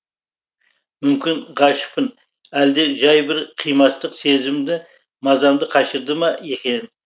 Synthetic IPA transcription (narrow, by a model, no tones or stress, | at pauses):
mʏmkʲɪnʁɑʃɪ̥pɪn | æld̪e̞ʒɑjbɪɾqʰijmɑst̪əqse̞zɪmd̪ɪ | mɑzɑmd̪əqʰɑʃəɾd̪əmɑe̞kʲe̞n